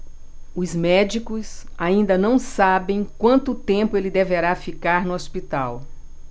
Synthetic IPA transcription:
ʊzmɛd͡ʒikʊsaĩnd̪ɐnɐ̃w̃sabẽj̃kwɐ̃nt̪ʊt̪ẽmpʊelɪd̪eveɾafikaɾnʊospit̪aw

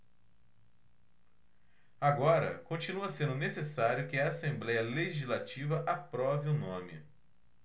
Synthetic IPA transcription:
aɡɔɾɐ̰kõt͡ʃinuɐsẽnd̪ʊnesesaɾjʊkɪɐːsẽmblɛjɐleʒizlat͡ʃivɐʔapɾɔviʊnõmɪ̰

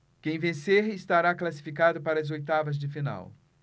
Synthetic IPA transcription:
kẽj̃vẽseɾɪst̪aɾaklasi̥fikad̪ʊpaɾɐɐzojt̪avɐzd͡ʒɪfina̰w

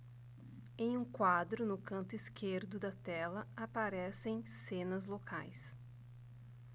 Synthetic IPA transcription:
ẽj̃ũkwad̪ɾʊnʊkɐ̃nt̪ʊiskeɾd̪ʊd̪ɐt̪ɛlɐapaɾɛsẽj̃sẽnɐzlokʰa̰js

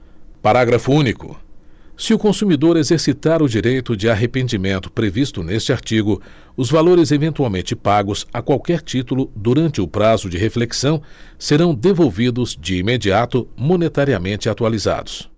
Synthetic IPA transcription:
paɾaɡɾɐfʊũnikʊ̰sɪʊkõsumid̪oɾezeɾsit̪aɾʊd͡ʒiɾejt̪ʊd͡ʒɪaɦepẽnd͡ʒimẽnt̪ʊ̥pɾevist̪ʊnest͡ʃɪaɾt͡ʃiɡʊ | ʊzvaloɾɪzevẽnt̪uawmẽnt͡ʃɪpaɡʊsakwawkɛɾt͡ʃit̪ulʊd̪uɾɐ̃nt͡ʃɪʊpɾazʊd͡ʒɪɦefleksɐ̃w̃seɾɐ̃w̃d̪evowvid̪ʊzd͡ʒɪimed͡ʒiat̪ʊmõnet̪aɾiamẽnt͡ʃɪat̪ualiza̰d̪ʊs

